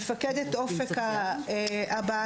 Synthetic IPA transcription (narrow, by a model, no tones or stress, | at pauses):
faked̪et̪ʔofeka | ʔabaa